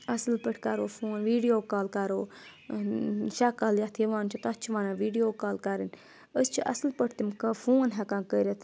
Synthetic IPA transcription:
ɐsɨlpəʈʰkaɾoːfʰoːnʋiːɖijoːkaːlkaɾoː | ʃakaljat̪ʰiʋãːnt͡ʃʰit̪at͡ʃʰiʋaːnaːʋiːɖijoːkaːlkaɾɨn | əst͡ʃʰiʔɐ̰slpəʈʰt̪imkɐfoːnɦɛkãːkəːɾet̪ʰ

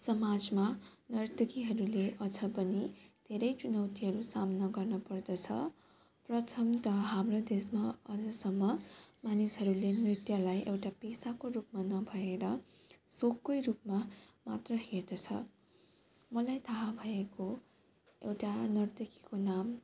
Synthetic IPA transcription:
sʌmad͡zmanʌrt̪ʌkiɦʌɾuleʔʌd͡zʱʌbʌnid̪ʱeɾʌjt͡sunʌwt̪iɦʌɾusamnʌɡʌrnʌpʌrd̪ʌt͡sʰʌ̰ | prʌt̪ʰʌmt̪ʌɦamrod̪esmaʌ̰d͡zʌsʌmːʌmanisɦʌɾulenrit̪jʌlajʔewʈapesakorupmanʌbʱʌeɾʌ | sokːʌjrup̚mamat̪rʌheɾd̪ʌt͡sʰʌ̰ | mʌlajt̪ʰaɦabʱʌeko | ḛwʈanʌrt̪ʌkikonam

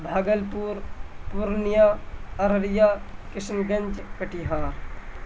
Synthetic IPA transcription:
bʱaːɡəlpuːɾpuɾnijaːɐɾɾjaːkɪsnɡənd͡ʒkəʈiɦaːɾ

